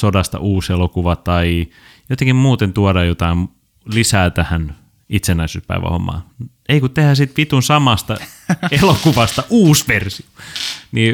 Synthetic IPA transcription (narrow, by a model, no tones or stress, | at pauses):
sodɑst̪ɑ̰ʔuːselokuʋɑt̪ɑi | jot̪eŋkimmuːt̪ent̪uɑdɑjot̪ɑim | lisæːt̪æhæn | it̪senːæisyːspæ̰iʋæ̰ho̰mːɑ̰ː | eikut̪t̪ehæsit̪ʋit̪unsɑmɑst̪ɑ | elokuʋɑst̪ɑʔuːsʋersioniː